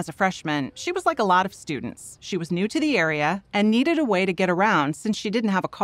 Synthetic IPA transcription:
ɨzɨfɹɛʃmɨ̃nʃiwʌzlaɪkəlɔɾʌv̥stʉ̰dⁿn̩tsʃiwʌznʉɾɨðiɛɹiɨʔɨ̃nːiɾɨɾəweɪɾɨɡɛɾə˞ãʊ̃nd̥sɪ̃nsʃidɪdⁿn̩t̚ɦəvəkʰ

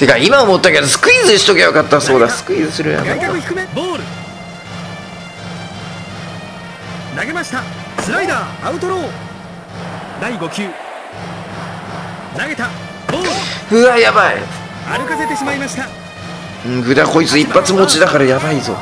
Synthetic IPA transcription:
t̪e̞kaimaomo̞t̪ːake̞d̪osɨ̥kɯ̟izɨɕi̥t̪oɡajokat̪ːaso̞ːd̪asɨ̥kɯ̟izɨsɨɾɯja̰ba̰ika̰kɯ̟çi̥kɯ̟meboːɾɯ̟ | naɡe̞maɕi̥t̪a | sɨɾaid̪aːaɯ̟t̪o̞ɾo̞ː | d̪aiɡo̞kʲɨː | naɡe̞t̪a | boːɾɯhɯ̟ajabaḭ | aɾɯ̟kase̞t̪e̞ɕimaimaɕi̥t̪a | ɯ̟̃ːɡɯ̟d̪ako̞it͡sɨipːat͡sɨmo̞t͡ɕid̪akaɾajabaizo̞̰

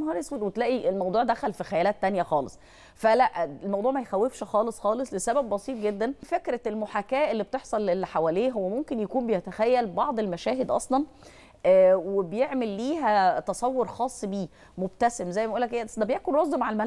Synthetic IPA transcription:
xɑːɾeswewet̪læːʔiʔelmɑwd̪ˤuːʕd̪æxælfixæjælæːt̪ːænjæxɑːlesˤ | fælæʔelmɑwd̪ˤuːʕmæjxæwːefʃxɑːlesˤxɑːlesˤlesæbæbːɑsˤiːt̪̚ɡed̪ːænfekɾæelmoħakæːʔelːib̚t̪eħsˤɑlelħawæːleːɦowːæmomkenjækuːmbejæt̪æxæjːælbɑʕd̪ˤelmæʃæːɦed̪ʔɑsˤlɑn | ʔæːwebejeʕmelːiːɦæt̪ɑsˤɑwːoɾxɑːsˤːbiː | mob̚t̪æsemzæjːbæʔuːlːækʔejːæsd̪æbejækonɾɑzˤːmaʕalmæ

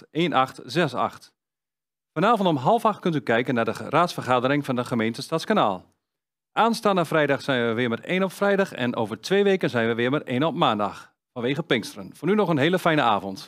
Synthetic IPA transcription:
eːnʔɑxtzɛsa̰xt | fɔnaːvntɔmɦɑlˠfaxtkøntykɛjkənːadəraːtsfərχaːdəɾɪŋfɑndəχəmeːntəstatskana̰ːlˠ | ʔaːnstaːnafrɛjdɑxsɛjnʋəʋɪːməreːnɔpfrɛjdɑxɛ̰nʔo̰ːvərtʰʋeːʋeːkənzɛjnʋəʋɪːmərḛːnɔpmaːndɑ̰x | fɑnʋeːɣəpɪŋstərənfonynɔχənɦeːləfɛjnəaːvɔnt

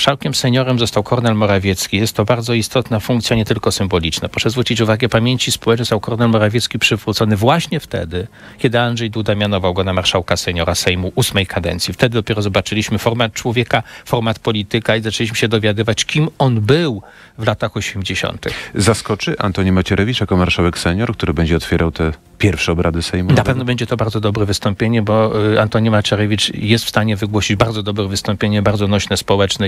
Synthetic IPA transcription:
ʂawkʲɛmsɛɲɔɾɛmzɔst̪awkʰɔɾnɛlmɔɾavʲjɛt̪skʲijɛst̪ːɔbaɾd̪zɔist̪ɔt̪nafuŋkt̪sʲjaɲɛt̪ɘlkɔsɘmbɔlʲit͡ʂnapɾɔ̥ʂɛzvɾut͡ɕit͡ɕuvaɡɛpamʲjeɲt͡ɕispɔwɛt͡ʂnst̪awkɔɾnɛlmɔɾavʲjɛt̪skʲipʂɘvɾut̪sɔnɘvwaɕɲɛft̪ɛ̰d̪ɘ | kʲɛd̪ɘanʐɛjd̪ud̪amʲjanɔvawɡɔnamaɾʂawkasɛɲɔɾasɛjmuʔusmɛjkʰad̪ɛ̰nt̪sʲift̪ɛd̪ɘd̪ɔpʲjɛɾɔzɔbat͡ʂɘlʲiɕmɘfɔɾmat̪̚t͡ʂwɔvʲjɛkafɔɾmat̪pɔlʲit̪ɘkaizat͡ʂɛlʲiɕ̬mɘɕɛd̪ɔvʲjad̪ɘvat͡ɕkʲimɔnbɘw | vlat̪axɔɕɛmd͡ʑeɕɔ̰nt̪ɘ̰xzaskɔt͡ʂɘʔa̰nt̪ɔɲimat͡ɕɛɾʔɛvʲit͡ʂjakɔmaɾʂawɛksɛɲɔɾk̚t̪uɾɘbɛɲd͡ʑɛɔt̪fʲjɛɾʔawt̪ɛ | pʲjɛɾfʂɛɔbɾad̪ɘsɛjmunapɛvnɔbɛɲd͡ʑɛt̪ɔbaɾd̪zɔd̪ɔbɾɛvɘst̪ɔmpʲjeɲɛbɔant̪ɔɲimat͡ɕɛɾɛvʲit͡ʂjɛst̪fst̪aɲɛvɘɡwɔɕid͡ʑbaɾd̪zɔd̪ɔbɾɛvɘst̪ɔmpʲjeɲɛbaɾd̪ɔnɔɕnɛspɔwɛt͡ʂnɛ

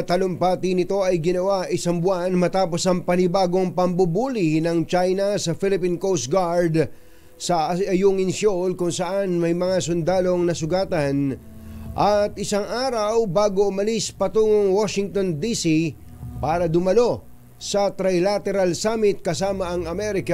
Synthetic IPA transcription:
t̪ɐlompaːt̪ɪnɪt̪o̞ɐjɡɪnɐwaʔɪsaŋbʊanmɐt̪aːpo̞sɐŋpɐnɪbaːɡo̞ŋpɐmbʊbuːlinɐŋt͡ʃajnɐsɐfɪlɪpinkowst̪̚ɡaɹd̪ | sɐɐjuŋɪnsolkʊŋsɐʔanmɐjmɐŋasʊnd̪aːlo̞ŋnɐsʊɡaːt̪ɐn | ʔɐt̪ʔɪsaŋʔaːɾɐwbaːɡoʔʊmɐlispɐt̪uːŋoŋwaʃɪŋt̪o̞nd̪isi | paːɾɐd̪ʊmɐlo̞ | sɐt̪ɾajlat̪ɛɾalsaːmɪt̪̚kɐs̬aːmɐʔɐŋɐmɛɾɪka

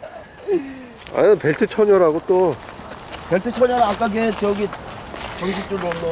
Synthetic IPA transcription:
a̰peɭtʰɯt͡ɕʰʌɲʌɾaɡot͈o | peɭtʰɯt͡ɕʰʌɲʌɾak͈aɡet͡ɕejʌɡit͡ɕʌŋɕ̬ʰik̚t͡ɕ͈uɾonːʌ

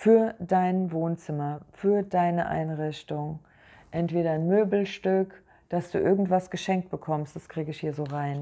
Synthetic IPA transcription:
fyːɐdaɪnvoːnt͡sɪmɐfyːɐdaɪnəʔa̰ɪnʁɪçtʊŋ | ʔɛntv̥eːɾɐnmøːbl̩ʃtʏk | d̥asd̥ṵːʔɪɐɡŋ̩tv̥asɡ̥əʃɛŋk̚t̚b̥əkʰɔmstd̥askʁ̥iːɡəɪçhiːɐzoːʁaɪn

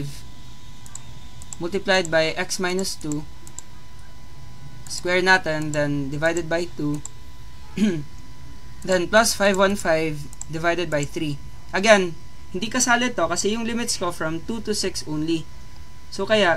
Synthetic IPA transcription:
v | mʊlt̪ɪplajd̪̚bajʔɛksmajnʊst̪u | skwɛɹnat̪ɛnd̪ɐnd̪ɪvajd̪ɛd̪̚bɐjt̪u | d̪ɐnplɐsfajvwɐnfajv | d̪ɪvajd̪ɛd̪̚bɐjθɾi | ʔɐɡɛn | hɪnd̪iːkɐsaːlɛt̪okɐsɛjʊŋlɪmɪt̪skofɹɐmt̪ut̪ʊsɪksʔõwnli | sokɐjaʔ

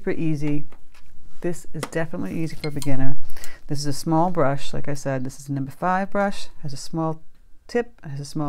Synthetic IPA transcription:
pɨʔizi | ðɪsɨzdɛfənətˡlḭʔizifə˞bɨɡɪ̃nə˞ðɪsɨzɨsmɔlˠbɹʌʃlaɪkaɪsɛd̪̚ðɪsɨzənʌ̃mbə˞faɪvbɹʌʃhɨzɨsmɔlˠ | tʰɪp̚hɨzɨsmɔ

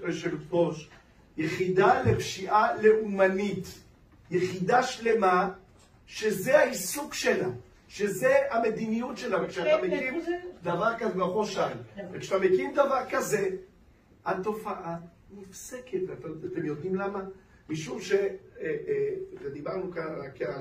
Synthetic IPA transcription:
ʃelboʃ | jeχid̪alepʃiʔale̞ʔumanit̪ | jeχid̪aʃle̞ma | ʃezeaisukʃe̞la | ʃezeame̞d̪inijutʃelavekʃeat̪amekimd̪avaʁkazebaχoʃavekʃat̪amekimd̪avaʁkaze̞ | at̪o̞faʔa | nifseket̪veat̪eat̪emjo̞d̪imlama | miʃumʃe | ʒed̪ibaʁnukanak

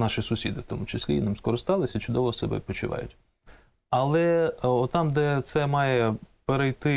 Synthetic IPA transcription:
nɑʃɪsʊsʲid̪ɪwt̪ɔ̰mʊt͡ʃɪsʲlʲiinɪmskɔɾɪst̪ɑlˠɪsʲɐit͡ʃʊd̪ɔʋɔsɛ̰bɛ̰pɔt͡ʃʊʋɑ̰jʊ̰tʲ | ɐlˠɛɔtt̪ːɑmd̪ɛt̪sɛmɑjɛpeɾejt̪ɪ

